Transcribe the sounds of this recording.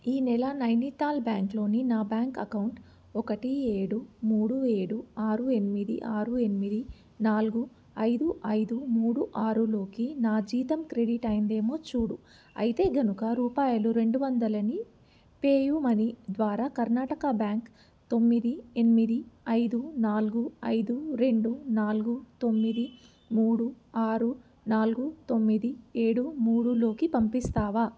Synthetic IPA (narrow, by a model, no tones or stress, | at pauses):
iːnɛlɐnɐjnit̪aːlbjaːŋklo̞ːninaːbjaːŋkɐkɐwuɳʈ | ɔkɐʈieːɽumuːɽue̞ːɽuaːɾue̞nimid̪ḭʔaːɾue̞nimid̪i | naːlɡu | ɐjd̪uʔɐjd̪umuːɽuʔaːɾulo̞ːkinaːd͡ʒiːt̪ɐmkɾe̞ɽiʈɐjind̪e̞ːmo̞ːt͡ʃuːɽu | ɐ̰jit̪e̞ːɡɐnukɐɾuːpaːjɐluɾe̞ɳɖuʋɐnd̪ɐlɐni | pe̞ːjumɐnid̪ʋaːɾaːkɐɾnaːʈɐkɐbjaːŋk | t̪o̞mːid̪ienimid̪iɐjd̪unaːluɡuɐjd̪uɾe̞ɳɖunaːluɡut̪o̞mːid̪i | muːɽu | aːɾu | naːluɡut̪o̞mːid̪ie̞ːɽumuːɽulo̞ːkipɐmpist̪aːʋaː